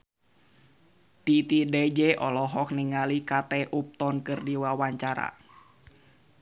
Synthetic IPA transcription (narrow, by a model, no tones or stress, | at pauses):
t̪it̪idɛd͡ʒɛʔɔlɔɦɔk̚niŋalikat̪ɛʔup̚t̪ɔnkɨrdiwawaɲt͡ʃaɾa̰